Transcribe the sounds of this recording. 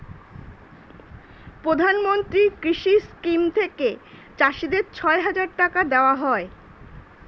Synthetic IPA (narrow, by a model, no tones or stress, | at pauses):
pɾod̪ʱanmont̪ɾikɾiʃiskimt̪ʰeket͡ɕaʃid̪eɾt͡ɕʰɔeɦad͡ʑaɾʈakad̪eoaɦɔe